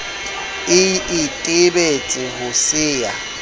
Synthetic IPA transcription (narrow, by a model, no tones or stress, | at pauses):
ɪɪtʼɪbet͡sʼɪɦʊsɪːa